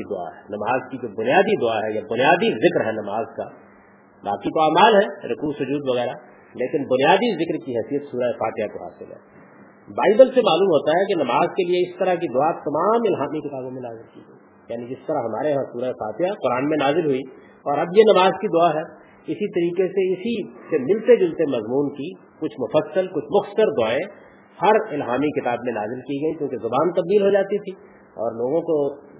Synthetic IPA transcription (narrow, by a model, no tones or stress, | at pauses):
id̪ʊa̰ɦɛnɐmaːzkid͡ʒobʊnijaːd̪id̪ʊaɦɛjabʊnijaːd̪izɪkɾɦɛnɐmaːzka | ba̰ːkit̪oaːmaːlɦɛɾʊkuːsʊd͡ʒuːd̪ʋɐɣɛːɾa | leːkɪnbʊnijaːd̪izɪkɾkiɦɛːsijət̪suːɾaefaːt̪ɪjakoɦa̰ːsɪ̰lɦɛ̰̃ | baːɪbəlsemaːluːmɦoːt̪aɦɛkinɐmaːzkelieɪst̪əɾak̬id̪ʊat̪ɐmaːmɪlɦaːmikɪt̪aːbõmẽnaːzɪlkḭɐi | jaːnid͡ʒɪst̪ɐɾaɦɐma̰ːɾeɦãsuːɾaesa̰ːt̪ʰɪjaqʊɾaːnmẽnaːzɪlɦʊi | ɔːɾɐbjenɐmaːzkid̪ʊaɦɛː | ɪsit̪ɐɾiːkeseɪsisemɪlt̪ed͡ʒʊlt̪emɐzmuːnki | kʊt͡ʃʰmʊfəsːəlkʊt͡ʃʰmʊxt̪səɾd̪ʊaːẽ | hɐɾɪlɦaːmikɪt̪aːbmẽna̰ːzɪlkiɡɐikjõːkezʊbaːnt̪ɐb̚d̪iːlɦod͡ʒaːt̪it̪ʰi | ɔ̰ːɾloːɡõko